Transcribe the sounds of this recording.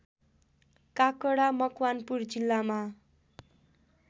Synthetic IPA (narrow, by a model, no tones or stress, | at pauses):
kakʌɽamʌkwanpurd͡zilːama